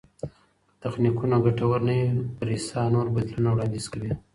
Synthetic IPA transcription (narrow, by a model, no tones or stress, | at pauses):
t̪axnikunaɡaʈawaɾnajipəɾisɑnoɾbad̪lunawɽɑnd̪iz̥kawi